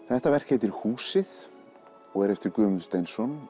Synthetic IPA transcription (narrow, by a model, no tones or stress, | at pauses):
θɛht̪avɛr̥cejt̪ɪɾ̥huːsɪð | ɔɣɛɾɛft̪ɪɾkʏːmʏnst̪ejnsɔn